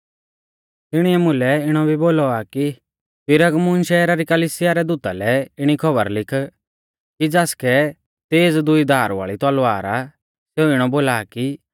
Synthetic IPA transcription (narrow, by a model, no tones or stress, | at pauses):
t̪ɪɽ̃iɛmʊ̃lɛɪɽ̃ɔbʱiboːlɔaki | pɪɾəɡmʊnʃɛːɾaɾikəliːsɪjaɾɛd̪ut̪a̰lɛɪɽ̃ikʰɔbə̰ɾlɪkʰ | kid͡zaːskɛ | t̪eːd͡zd̪ʊid̪ʱaːɾʋa̰ːɭit̪ɔlaːɾa | seuɪɽ̃ɔboːlaːki